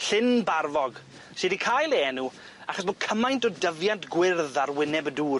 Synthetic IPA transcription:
ɬɪnbarvɔɡ | sedikʰajlˠɛnu | aχɔs̬bo̥ːkʰəmajntɔdəvjantɡ̥wɪrðarwɪnɛbəduː

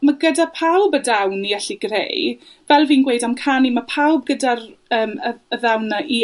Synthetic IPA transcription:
maɡədapʰawbədawniɛɬiɡrḛj | vɛlˠviːnɡwejdamkʰanimapʰawb̚ɡədarəːməəðawnaʔi

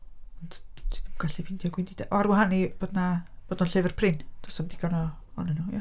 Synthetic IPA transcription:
ɔndi̥ɡ̥aɬivɪndjɔɡwɪndid̥aʔɔarwaɦanib̥oːdnab̥oːdnɔnɬevərpʰrɪnd̥ɔsɔmdɪɡɔnɔ | ɔ̰nənuja

